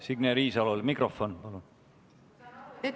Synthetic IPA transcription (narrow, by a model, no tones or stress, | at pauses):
siɡneɾiːsɑlolmikrofonpɑlun